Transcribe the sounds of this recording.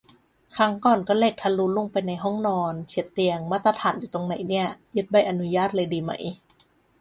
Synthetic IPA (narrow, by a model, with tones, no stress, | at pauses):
kʰa˧˥ŋkɔː˨˩nkɔː˥˩le˧˩k̚t̪ʰa˧lu˧˦lu˧˩ŋpa˧jna˧jɦɔ˥˩ŋnɔː˧nt͡ɕʰi˨˩˦ət̪ːi˧əŋmaː˥˩t̪ːa˧t̪ʰaː˩˦njuː˨˩t̪o˧ŋna˨˩˦jni˥˩ɐjɯ˦˥t̪̚ba˧˩jʔa˧nu˧˦˥jaː˥˩t̪̚lɤː˧jdiː˧ma̰˦˧˦j